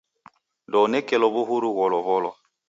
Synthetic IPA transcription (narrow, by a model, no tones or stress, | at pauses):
dɔnɛkɛlɔbuɦuɾuɣɔlɔβɔlɔ